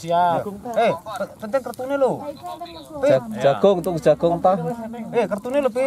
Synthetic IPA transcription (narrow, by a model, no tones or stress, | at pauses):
siaehppənt̪ɛŋkərt̪unelu | pi̥d͡ʒ̥aɡ̥ʊŋt̪uŋ̥ʒ̥aɡ̥ʊŋt̪ɔhekərt̪unelupi